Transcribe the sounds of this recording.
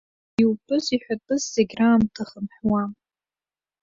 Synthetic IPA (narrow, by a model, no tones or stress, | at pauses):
iwtʰʼɨziħʷᶣatʼɨzzeɡʲraːmtʰaχəmħwam